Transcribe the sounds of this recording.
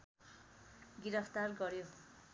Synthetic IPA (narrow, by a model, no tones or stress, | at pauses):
ɡiɾʌpʰt̪arɡʌɾjo